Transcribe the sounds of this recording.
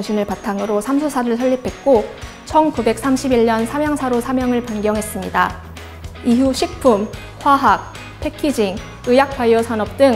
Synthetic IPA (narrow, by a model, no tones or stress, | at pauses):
ɕʰinɯɭpatʰaŋɯɾosʰamsʰosʰaɾɯɭsʰʌʎːipʰe̞t̚k͈o | t͡ɕʰʌnkube̞k̚s͈amɕʰibiʎːɲʌnsʰamjʌŋsʰaɾosʰamjʌŋɯɭpanɡjʌŋɦes͈ɯmɲida | iɦuɕʰik̚pʰum | ɸwaɦak̚ | pʰe̞kʰid͡ʑiŋ | ɯjak̚p͈ajʌsʰanʌp̚t͈ɯŋ